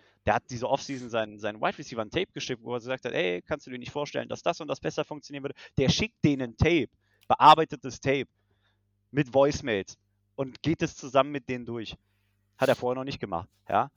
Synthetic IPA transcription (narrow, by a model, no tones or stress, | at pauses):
d̥eːɐhat̚d̥iːzəʔɔfsiːzn̩zaɪnəzaɪnəwa̰ɪtʁisiːvɐntʰɛɪp̚ɡ̥əʃɪk̚tvo̰ːɐɡəzaːk̚tʰhathɛɪkʰanstuːdiːɐnɪçtfoːɐʃtɛ̰lənda̰sd̥asʊnt̚d̥asb̥ɛsɐfʊŋkt͡sjoniːɐn̩vʏədəd̥eːɐʃɪk̚t̚d̥eːnəntʰɛɪp | b̥əʔaɐbaɪtət̚d̥astʰɛɪp̚ | mɪtv̥ɔʏsmɛːls | ʔʊntɡ̥eːt̚d̥ast͡suzamənmɪt̚d̥eːnəndʊɐç | hateːɐfoːɐheɐnɔχnɪçt̚ɡ̥əma̰χt | ja̰ː